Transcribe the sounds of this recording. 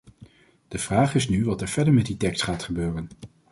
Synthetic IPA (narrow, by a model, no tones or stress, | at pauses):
d̥əv̥raːχɪsnyʋɑtɛɹv̥ɛɹdəɹmɛt̚ditɛkstχaːtχəbøːrən